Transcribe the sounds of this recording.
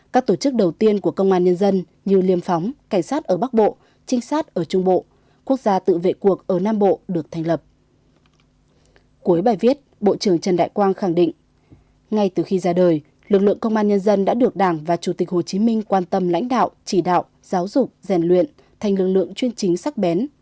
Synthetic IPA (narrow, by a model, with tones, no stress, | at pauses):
kaː˦˥k̚t̪o˧˩t͡ɕɨ˦˥k̚ɗə˨˩wt̪i˧ənku˧˩əkə˧wŋ͡mʔaː˧nɲə˧nzə˧n | ɲɨ˧li˧əmfɔ˨˦wŋ͡mka˧˩jŋ̟saː˦˥t̚ʔəː˧˩ɓa˦˥k̚ɓo̰˧˨ | t͡ɕï˧ŋ̟saː˦˥t̚ʔəː˧˩t͡ɕʊ˧ŋ͡mɓo̰˧˨ | ku˦˥ək̚zaː˧t̪ɨ̰˧˨vḛ˧˨ku˨˩ək̚ʔəː˧˩naː˧mɓo̰˧˨ɗɨ˨˩ək̚t̪ʰa˨˩jŋ̟lə˨˩p̚ | ku˨˦əjɓaː˨˩jvi˦˥ət̚ɓo̰˧˨t͡ɕɨ˧˩əŋt͡ɕə˨˩nɗa̰ː˧˨jkwaː˧nxa˧˩ŋɗḭ̈˧˨ŋ̟ | ŋa˧jt̪ɨ˨˩xi˧zaː˧ɗəː˨˩j | lɨ˨˩k̚lɨ̰˧˨əŋkə˧wŋ͡mʔaː˧nɲə˧nzə˧nɗa̰ː˧˥ɗɨ˨˩ək̚ɗaː˧˩ŋvaː˨˩t͡ɕu˧˩t̪i˨˩k̟̚ho˨˩t͡ɕi˨˦mï˧ŋ̟kwaː˧nt̪ə˧mla̰˧˥jŋ̟ɗa̰ː˧˨wʔt͡ɕi˧˩ɗa̰ː˧˨wʔ | z̥aː˨˦wzʊ˨˩k͡p̚zɛ˧˩nlwḭ˧˨ən | t̪ʰa˨˩jŋ̟lɨ˨˩k̚lɨ̰˧˨əŋt͡ɕwi˧ənt͡ɕï˨˦ŋ̟sa˦˥k̚ɓɛ˨˦n